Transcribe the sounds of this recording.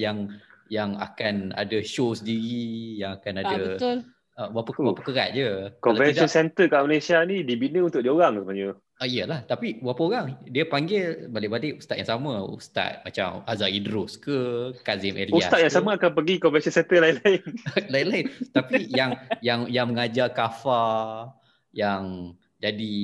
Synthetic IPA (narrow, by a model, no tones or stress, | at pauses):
jaŋjaŋa̰kana̰dəʃosəndiɣijaŋakanadəbəʊl | əbwapəwapəkəɾa̰t̪̚d͡ʒəkɔvɛnsiɔnsɛnt̪əkaʔmalasianidibinəunt̪ʊk̚diəoɣaŋsəbaɲə | əiəlaht̪apibwapaoɾaŋdiəpaŋɡɪlbalɪʔbalɪʔust̪at̪̚ja̰ŋsaməṵst̪a̰t̪̚mat͡ʃa̰mazaidɾʊskəkazɪmʔḛliusatt̪at̪̚jaŋsamaakanpəɡikɔmvɛnsɔnsɛnt̪əlaɪlaɪnlailaɪnt̪apijaŋjaŋjaŋməŋad͡ʒakafa | jaŋ | d͡ʒadi